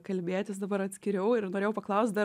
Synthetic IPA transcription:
kɐlʲbʲeːt̪ʲɪsd̪ɐbɐɾɐt̪ʲsʲkʲɪɾʲɛʊɪɾnoːɾeːjʊpɐklˠɐʊsʲt̪̚ʲd̪ɐ

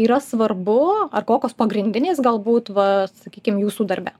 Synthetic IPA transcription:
iːɾɐsʋɐrbʊɐrkoːkʲoːspɐɡɾʲɪnʲd̪ʲɪnʲeːsɡɐlˠbuːt̪ʋɐsɐkʲiːkʲɪmjuːsuːd̪ɐɾʲbʲɛ

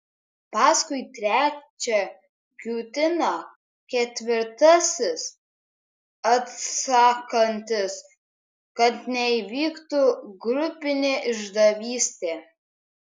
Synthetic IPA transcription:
pɑːskʊɪt̪ʲɾʲæːt͡ʃʲɛ | ɡʲuːt̪ʲɪnoː | kʲɛt̪ʲʋʲɪɾt̪ɐsʲɪs | ɐt̪sɑːkɐnʲt̪ʲɪs | kɐt̪nʲɛiʋʲiːkt̪uːɡɾʊpʲɪnʲeːʔɪʒd̪ɐʋʲiːsʲt̪ʲeː

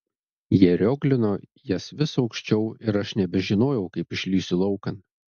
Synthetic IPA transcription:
jiɛɾʲoːɡlʲɪnoːjɛsʋʲɪsɒʊkʃʲt͡ʃʲɛʊɪɾɐʃnʲɛbʲɛʒʲɪnoːjɛʊkɐɪpɪʃʲlʲiːsʲɪlˠɒʊkɐn

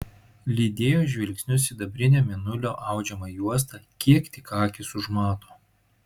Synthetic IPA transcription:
lʲiːd̪ʲeːjoːʒʲʋʲɪlʲksʲnʲʊsiːd̪ɐbʲɾʲɪnʲɛmʲɪnʊlʲoːʔɐˑʊd͡ʒʲɛmɑjuɔs̬t̪ɑkʲiɛkt̪ʲɪkɑːkʲɪsʊʒmɑːt̪oː

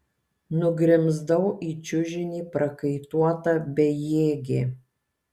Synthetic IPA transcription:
nʊɡɾʲɪmzd̪ɐʊʔiːt͡ʃʲʊʒʲɪnʲiːpɾɐkɐɪt̪uɔt̪ɐbʲɛjeːɡʲeː

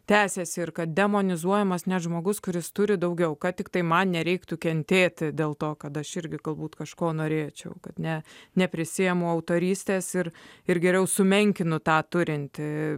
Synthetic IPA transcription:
t̪ʲæːsʲeːsʲɪɪɾkɐt̪̚d̪ʲɛmoːnʲɪzuɔjɛmɐsnʲɛʒmoːɡʊskʊɾʲɪst̪ʊɾʲɪd̪ɐʊɡʲɛʊkɐt̪ʲɪkt̪ɐɪmɐnnʲɛɾʲɛɪkt̪ʊkʲɛnʲt̪ʲeːt̪ʲɪd̪ʲeːlˠt̪oːkɐt̪ɐʃɪɾʲɡʲɪɡɐlˠbuːt̪kɐʃkoːnoːɾʲeːt͡ʃʲɛʊkɐt̪nʲɛnʲɛpʲɾʲɪsʲijɛmʊɐʊt̪oːɾʲiːsʲt̪ʲeːsɪɾɪɾɡʲɛɾʲɛʊsʊmʲɛŋʲkʲɪnʊt̪ɑːt̪ʊɾʲɪnʲt̪ʲ

